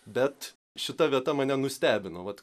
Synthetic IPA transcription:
bʲɛt̪ | ʃʲɪt̪ɐʋʲiɛt̪ɐmɐnʲɛnʊsʲt̪ʲæːbʲɪnoʋɐt̪

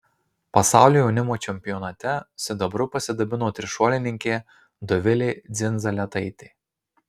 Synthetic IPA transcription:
pɐsɑˑʊlʲoːjɛʊnʲɪmoːt͡ʃʲɛmʲpʲɪjɔnɐt̪ʲɛsʲɪd̪ɐbɾʊpɐsʲɪd̪ɐbʲɪnoːt̪ʲɾʲɪʃoːlʲɪnʲɪŋʲkʲeː | d̪ɔʋʲɪlʲeːd̪zʲɪnʲzɐlʲɛt̪ɐɪt̪ʲeː

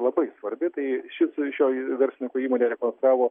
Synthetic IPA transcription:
lˠɐbɐɪsʋɐɾʲbʲɪt̪ɐɪʃʲɪsʃʲoːʋʲɛɾʲsʲɪnʲɪkoiːmoːnʲeɾʲɛkoːnst̪ɾɑːʋoː

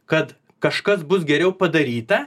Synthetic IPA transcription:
kɐt̪ | kɐʃkɐs̬bʊsɡʲɛɾʲɛʊpɐd̪ɐɾʲiːt̪ɐ

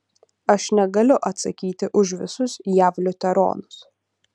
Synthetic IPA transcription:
ɐʃnʲɛɡɐlʲʊʔɐt̪sɐkʲiːt̪ʲɪʔʊʃʋʲɪsʊsjæːʋlʲʊt̪ʲɛɾo̰ːnʊs

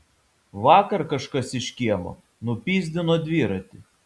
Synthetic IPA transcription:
ʋɑːkɐɾkɐʃkɐsɪʃʲkʲiɛmˠo̰ | nʊpʲiːzʲd̪ʲɪnoːd̪ʲʋʲiːɾɐt̪ʲɪ

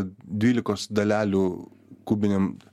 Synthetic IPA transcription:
d̪ʲʋʲiːlʲɪkoːsd̪ɐlʲæːlʲuː | kuːbʲɪnʲem

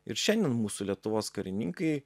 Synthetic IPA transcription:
ɪ̰ɾʃʲɛnʲd̪ʲɛnmuːsʊlʲiɛt̪ʊʋoːskɐɾʲɪnʲɪŋkɐɪ

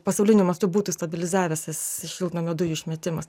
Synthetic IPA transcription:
pɐsɐʊlʲɪnʲʊmʲɐst̪ʊbuːt̪uːst̪ɐbʲɪlʲɪzɑːʋʲɛsɐsɪʃʲɪlˠt̪noːmʲɛd̪ʊjuʃʲmʲɛt̪ʲɪmɐs

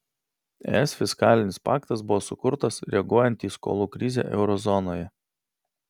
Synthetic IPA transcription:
ɛ̰ːɛsfʲɪskɑːlʲɪnʲɪspɑ̰ːkt̪ɐs̬bʊʋoːsʊkʊɾt̪ɐsɾʲɛɐɡuɔjɛnʲt̪ʲiːsko̰ːlˠuːkɾʲɪzʲɛ̰ːʔɛ̰ʊɾɔzɔnoːjɛ

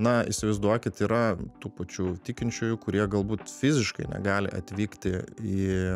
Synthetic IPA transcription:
nɐɪ̰ʃsʲɪʋəɪzd̪uɔkʲɪt̪iːɾɐt̪uːpɐt͡ʃʲuːt̪ʲikʲɪnʲt͡ʃʲʊːjʊkʊɾʲiɛɡɐlˠbuːt̪fʲɪzʲɪʃkɐɪnʲɛ̰ɡɑːlʲɪ̰ʔɐ̰t̪ʲʋʲiːkt̪ʲɪiː

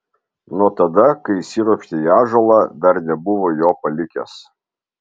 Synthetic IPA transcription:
nut̪ɐd̪ɐkɐɪsʲiɾoɔʃʲt̪ʲeiɑːʒolˠɑd̪ɐɾnʲɛbʊʋojoːpɐlʲɪkʲɛ̰s

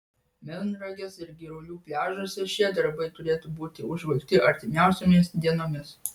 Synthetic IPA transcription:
mʲɪnɾɐɡʲesɪɾɡʲɪɾʊlʲuːpʲlʲæːʒoːsʲɛʃʲiɛd̪ɐɾbɐɪt̪ʊɾʲeːt̪ʊbuːt̪ʲɪʊʒʋɐɪkt̪ʲɪɐɾʲt̪ʲɪmʲæˑʊsʲomʲɪsd̪ʲiɛnoːmʲɪs

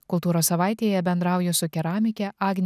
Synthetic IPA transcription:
kʊlˠt̪uːɾoːssɐʋɑˑɪt̪ʲeːjɛbʲɛnd̪ɾɑˑʊjɛsʊkʲɛɾɑːmʲɪkʲɛʔɑːɡnʲ

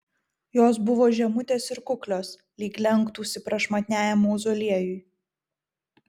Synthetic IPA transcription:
joːs̬bʊʋoːʒʲɛmʊt̪ʲeːsɪɾkʊklʲoːs | lʲiːklʲɛŋˑkt̪uːsʲɪpɾɐʃmɐt̪ʲnʲæːjɛmuːʊzɔlʲiɛjʊɪ

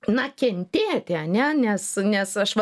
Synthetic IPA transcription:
nɐkʲɛnʲt̪ʲeːt̪ʲɪɐnʲɛnʲɛsnʲɛsɐʃʋɐ

